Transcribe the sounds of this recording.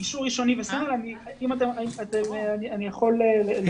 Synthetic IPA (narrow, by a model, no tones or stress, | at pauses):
kiʃuʁːiʃo̞nivesamalani | imat̪̬emimat̪emeanianijaχo̞lelel